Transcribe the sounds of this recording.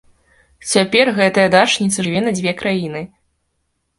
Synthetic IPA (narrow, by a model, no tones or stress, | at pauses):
t͡sʲapʲɛrɣɛt̪ɐjɐd̪at͡ʂnʲit̪sɐʐɨvʲɛnɐd͡zʲvʲɛkɾajinɨ